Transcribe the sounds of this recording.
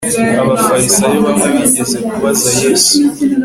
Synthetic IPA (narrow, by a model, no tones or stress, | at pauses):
aβafaɾisajeβameβiɟe̞zekuβazajeːsu̥